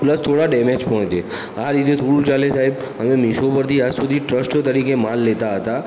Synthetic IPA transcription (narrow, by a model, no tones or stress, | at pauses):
ləst̪ʰːoɽaɖɛmed͡ʒpɔɦt͡ʃe | aɾit̪̬et̪ʰoɽũt͡ʃalesaeb | əmemiʃopəɾt̪ʰiad͡ʒsud̪ʱiʈɾəsʈt̪əɾikemalːet̪aɦət̪a